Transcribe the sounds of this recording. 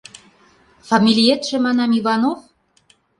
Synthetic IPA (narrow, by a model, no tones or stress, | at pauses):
fɑmʲilʲiet̪ʒ̥ĕmɑnɑmiβɑnof